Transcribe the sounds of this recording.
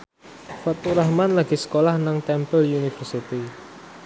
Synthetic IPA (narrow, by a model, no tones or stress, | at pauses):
fat̪uɾahmanlaɡ̥isə̥kolahnaŋt̪ɛmpəljunifərsit̪i